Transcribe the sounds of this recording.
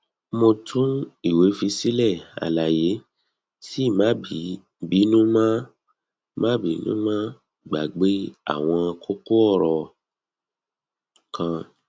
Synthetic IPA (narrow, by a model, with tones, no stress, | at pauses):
mo˧tʰũ˦i˦˨we˨˦fi˧si˦lɛ˦˨a̰˨la˨je˨˦ | si˦˨mã˦bi˨˦ | bi˨˦nũ˦mã˦ | mã˦bi˨˦nṵ̃˦mã˦ | ɡ͡ba˨ɡ͡be˨˦a̰˦˨w̃ɔ̃˧a˧kʰo˦ko˦ɔ˦˨ɾɔ˨ | kʰã˧